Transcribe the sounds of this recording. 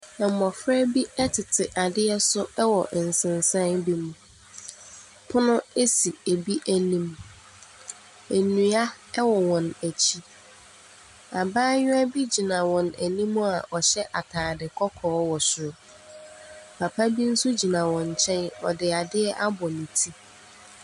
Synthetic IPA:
ɛ˨m˨mɔ˨fɾɛ˦bi˦ɛ˦tʰɪ˨tʰɪ˨ʔa˨dɪ˦ɛ˦sʊ˦ɛ˦wɔ˨ʔn̩˨sɪ̃˨n˨sã˦nbi˦mũ˨ | pʰʊ˦nʊ̃˦e˦si˨e˨bi˦ʔæ˨nĩ˦m | e˨nũ˨a˦ | wɔ˨wɔ̃˨næ˨t͡ɕʰi˦ | a˨baː˦ɲᶣʊ̃˦æ˦bi˦d͡ʑi˨nã˨wɔ̃˨næ˨nĩ˦mːũ˦a˨ʔɔ˨ɕɛ˦ʔa˨tʰaː˨dɪ˨kʰɔ˦kʰɔː˨˦wɔ˨sʊ˨ɾʊ˦ | pʰa˨pʰa˦bi˦n̩˦su˦d͡ʑi˨nã˨wɔ̃˨ɲ̩˨t͡ɕʰɛ̃˦nɔ̰˨dɪ˨a˨dɪ˦ɛ˦ʔa˦bɔ˨nĩ˨tʰi˦

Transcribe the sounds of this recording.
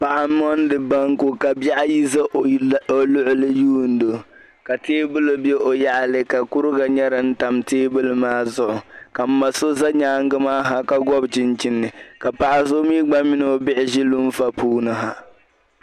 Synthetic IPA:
pa˨ʔa˨˦mːɔ˦n˦dɨ˨ba˦ŋku˦ka˨ba˦ʔa˦ji˦za˦o˨lʊ˦ʔʊ˦lɨ˦juː˦n̩˦do˨ | ka˨teː˦bɨ˦lɨ˦bjɛ˦ʔo˨ja˦ʔa˨lɨ˦ka˨ku˦ɾɨ˦ɡa˨ɲɛ˦ɾɪ˨n̩˦ta˨mteː˦bɨ˦lɨ˨maː˦zʊ˦ʔʊ˨ka˨m̩˦ma˨so˦za˦ɲaː˦ŋ˦ɡɨ˦maː˦ɦa˨ka˦ɡɔ˦bt͡ʃɪ˨nt͡ʃɪ˦nːɨ˨ka˨pa˨ʔa˨so˦miː˦ɡ͡ba˦mɪ˦n˨o˨bɪ˦ʔɪ˨ʒi˦lu˦m˦fa˦puː˦nɨ˨ɦa˦

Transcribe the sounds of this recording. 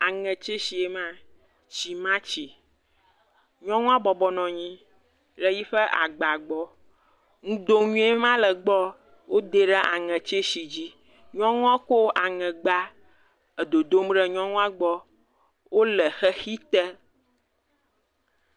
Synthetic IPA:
a˨ŋɛ̃˨t͡ʃe˦si˨e˨mã˦ | t͡ɕi˨mã˦t͡ɕi˨ | ɲɔ̃˦ŋũ˦a˦bɔ˨bɔ˦nɔ̃˨ɲĩ˦ | lə˦ji˦ɸɛ˦ʔa̰˨ɡ͡ba˨ɡ͡bɔ˦ | ŋũ˦d̪o˦ɲũ˦e˦mã˦lə˨ɡ͡bɔ˦ | wo˦d̪e˦ɖɛ˦ʔa̰˨ŋɛ̃˨t͡ʃe˦si˨d͡ʑi˦ | ɲɔ̃˦ŋũ˦ã˦ko˦ʔa˨ŋɛ̃˨ɡ͡ba˦ | ə˨d̪o˨d̪o˦m˦ɖɛ˦ɲɔ̃˦ŋũ˦a˦ɡ͡bɔ˦ | wo˦lɛ˨xɛ˦xi˦t̪ɛ˦

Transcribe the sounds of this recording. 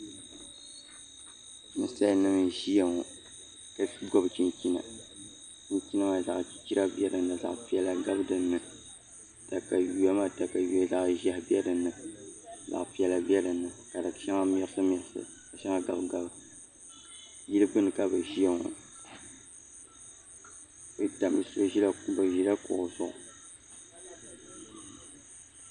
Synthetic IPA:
nɨ˨sa˦˨˦nɨ˦mɨ˨ʒi˦ja˨ŋɔ˨ | ka˨ɡɔ˦bɨ˨t͡ʃi˦nki˦na̰˨ | t͡ʃi˦nki˦na˦ma˨za˨ʔki̥˨t͡ʃi˦ɾa˦bjɛ˦dɨ˨nɨ˨za̰˨ʔpi˨ɛ˨la˨ɡa˦bɨ˦dɨ˨nːɨ˨ | ta˨ka˨ju˨ɛ˦ma˦ta˨ka˨ju˨ɛ˨za˨ʔʒɛ˦hbɛ˦dɨ˨nɨ˨ | za̰˨ʔpi˨ɛ˨la˨bɛ˦dɨ˨nːɨ˨ka˨dɨ˨ʃɛ˦ŋa˦mɛ˦ɨ˦sɨ˦mɛ˨˦sɨ̰˨ | ka˨ʃa˦ŋa˦ɡa˨bɡa˦b | ji˦lɨ˦bɨ˦nɨ˨ka˦bɨ˨ʒi˦a˦ŋo̰˨ | bɨ˨da˨mɨ˨so˦ʒi˦la˦˨ku˦bɨ˨ʒi˦la˦kʊ̰˨ʔzʊ̰˨ʔʊ̰˨

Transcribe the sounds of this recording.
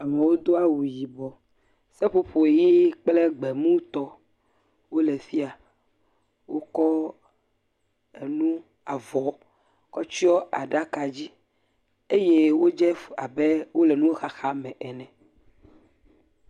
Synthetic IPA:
a˨mẽ˨wo˦d̪o˦a˦wu˨ji˨bɔ˨ | sɛ˦ɸo˦ɸo˨ji˦k͡plɛ˦ɡ͡bɛ˨mũ˦t̪ɔ˦ | wo˦lɛ˨fi˦a˨ | wo˦kɔ˦ | ḛ˨nũ˦ | a˨vɔ˨ | kɔ˦t͡ʃi˦ɔ˦a̰˨ɖa˦ka˨d͡ʑi˦ | e˦je˦wo˦d͡ʒɛ˦fa˨bɛ˦wo˦lɛ˨nũ˦wo˦xa˦xa˦mɛ̃˨ʔɛ˨nɛ̃˨

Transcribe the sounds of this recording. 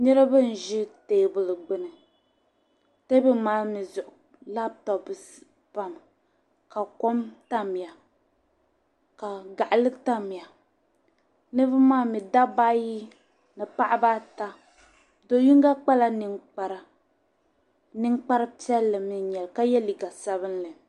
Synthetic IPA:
ɲɛ˦ɾa˦bɨ˦n̩˨ʒɪ˦teː˨bʊ˨lɨ˨ɡ͡bɨ˦nɨ˨ | te˦bɨ˦maː˦mi˨zʊ˨ʔʊ˨ | la˦b̚tɔ˨bɨ˨ | pa˦m | ka˨ko˦mta˦mi˨a˨ | ka˨ɡa˨ʔlɨ˦ɡta˦mi˨ja˨ | nɨ˦bɨ˦maː˦mi˨da˦ba˦ji˦ | nɨ˨pa˦ʔba˦ta˦ | do˨ji˦ŋ˦ɡa˦k͡pa˦la˦nɨ˦ŋk͡pa˦ɾa˦ | nɨ˦ŋk͡pa˦ɾɨ˦pi˦ɛ˦lːɨ˨mi˨ɲɛ˨lka˦jɛ˦li˨ɡa˨sa˦βɨ˦n˦lɨ˨

